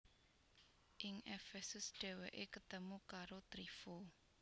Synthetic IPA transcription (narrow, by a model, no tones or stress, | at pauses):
ʔɪŋɛfɛsusɖ̥ewəʔekət̪əmukaɾot̪ɾifo